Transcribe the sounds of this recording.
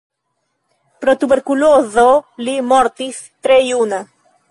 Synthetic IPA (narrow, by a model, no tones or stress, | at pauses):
pɾot̪uβeɾkulozolimoɾt̪is | t̪ɾeiuna